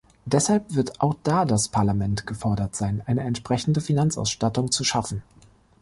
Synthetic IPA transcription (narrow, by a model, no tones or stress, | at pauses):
d̥ɛshalpv̥ɪɐtaʊxd̥aːdaspʰaɐlamɛntɡ̥əfɔɐdɐtz̥aɪnʔaɪnəɛntʃpʁ̥ɛçn̩dəfinant͡sʔa̰ʊsʃtatʊŋt͡suʃafn̩